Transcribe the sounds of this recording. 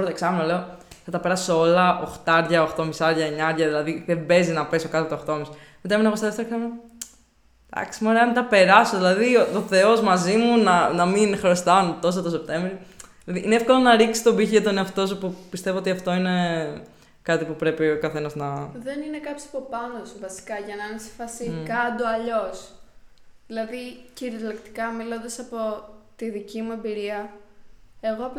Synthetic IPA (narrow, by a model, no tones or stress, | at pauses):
oɾot̪oksɐmenole̞o | θɐt̪ɐpe̞ɾɐsoo̞lɐʔoxt̪ɐɾʝɐoxt̪o̞misɐɾʝɐeɲɐɾʝɐðilɐðiðebe̞zinɐpe̞so̞kɐt̪et̪ooxt̪o̞mis | mit̪ɐminɐpost̪ðest̪ɾksɐmn | d̪ɐ̰ksimeoɾeɐmnt̪ɐpe̞ɾɐso̞ðilɐðiooθe̞o̞zmɐzimunɐnɐminxɾost̪ɐonot̪o̞s̬ɐt̪ose̞p̚t̪e̞ɱvɾiilɐðiʔineefko̞lo̞nɐɾiksi̥t̪obiçʝɐt̪oneɐft̪o̞sopupist̪e̞voo̞t̪iɐft̪o̞ine̞ | kɐt̪ipupɾe̞piokɐθe̞nɐznɐðe̞nine̞kɐpjo̥sɐpo̞pɐnosuvɐsi̥kɐʝɐnɐɐnesi̥fɐsikɐd̪oɐʎo̞s | ðilɐðiciɾilekt̪i̥kɐmilond̪ɐsɐpo̞t̪iðicimue̞mbiɾiɐ | e̞ɣoɐp